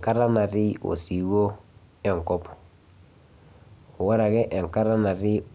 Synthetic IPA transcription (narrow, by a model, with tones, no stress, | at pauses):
ka˦ɾa˦na˨ɾɪ˦o̰˨si˨wo˦ | ɛ˦˨ŋkɔ˦pɔ̥˨ | o˨wɔ˦ɾa˨ɣɛ˦ʔɛ˨ŋ˨ka˦ɾa˦na˨ɾɪ˦